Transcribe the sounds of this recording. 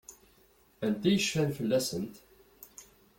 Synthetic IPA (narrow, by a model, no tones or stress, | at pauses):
ænt̪ːæjəʃfænfəlːæsənt̪